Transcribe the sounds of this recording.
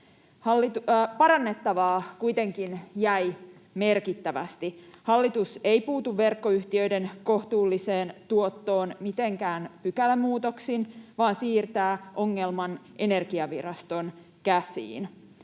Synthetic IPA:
hɑlːit̪pɑɾɑnːe̞t̪ːɑʋɑːkujt̪e̞ŋkinjæj | me̞rkit̪ːæʋæ̰st̪ihɑlːit̪usejpuːt̪uʋːe̞rkːo̞yht̪iø̞jde̞nko̞ht̪uːlːise̞ːnt̪uo̞t̪ːoːnmit̪e̞ŋkæːnpykælmuːt̪o̞ksinʋɑːnsiːrt̪æːʔo̞ŋːe̞lmɑnʔe̞ne̞rɡ̥iɑʋirɑst̪o̞n | kæsḭːn

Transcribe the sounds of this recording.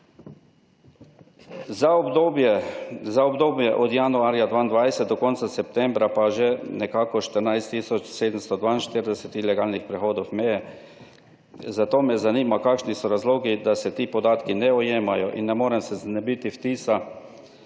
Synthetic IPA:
zabjɛzaɔbd̪oːbjɛʔɔd̪januaːɾjad̪ʋaind̪ʋajsɛt̪̚d̪ɔkɔnt̪sasɛp̚t̪ɛmbɾapaʒɛnɛkaːkɔʃt̪əɾnajst̪ːisɔt͡ʃseːd̪əmst̪ɔd̪ʋaːinʃt̪iɾd̪ɛsɛt̪ilɛɡaːlnixpɾɛxoːd̪owmɛjɛ | zat̪oːmɛzaniːmakaːkʃnisɔɾazloːɡid̪asɛt̪iːpɔd̪aːt̪kinɛɔjeːmajɔʔḭnːɛmoːɾɛmsɛznɛbit̪ift̪iːsa

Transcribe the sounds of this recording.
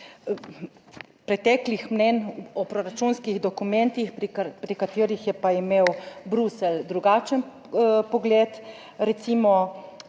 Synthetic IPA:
pɾɛt̪ɛklixmnɛnɔpɾɔɾat͡ʃunskiɣd̪ɔkumɛnt̪ixppɾikat̪eːɾixjɛpaimeːwbɾusɛld̪ɾuɡaːt͡ʃən | pɔɡleːt̪ | ɾɛt̪simɔ

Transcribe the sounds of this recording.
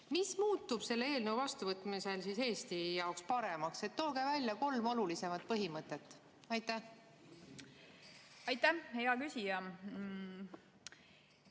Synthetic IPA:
mismuːt̪ːˑub̥se̞lːee̞ːlneuvɑst̪uvɤt̪ˑmise̞lsise̞ːst̪ijɑwkspɑɾe̞mɑkse̞t̪ːo̞ːɡ̥evælʲjɑko̞lmo̞lulise̞mɑt̪̚pɤɦimɤt̪ːˑet̪ːˑ | ɑjt̪ˑːæh | ɑjt̪ːæheɑkysʲijɑ

